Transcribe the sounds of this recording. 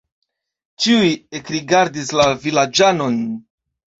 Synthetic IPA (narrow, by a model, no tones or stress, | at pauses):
t͡ʃiujekɾiɡaɾdislavilad͡ʒano̞n